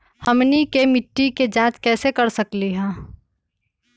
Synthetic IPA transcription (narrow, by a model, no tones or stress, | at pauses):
hɐmnikemɪʈːiked͡ʒãːt͡ʃkɛːsekɐɾsɐkliɦɛ̃ː